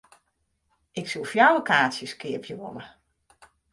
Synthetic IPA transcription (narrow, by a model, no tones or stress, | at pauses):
ɪksulˠfjawokʰaːtsjəskɪəpʰjəʋɔlə